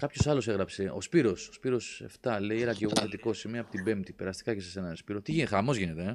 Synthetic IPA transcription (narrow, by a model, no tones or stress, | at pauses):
kɐpçosɐlo̞se̞ɣɾɐpse̞o̞̰spiɾo̞sospiɾo̞se̞̰ft̪ɐle̞ieɾɐceɣo̞θe̞t̪iko̞simiɐpot̪ibe̞mpt̪ipeɾɐst̪i̥kɐce̞sese̞nɐnspiɾo̞t̪iʝixɐmo̞zʝine̞t̪e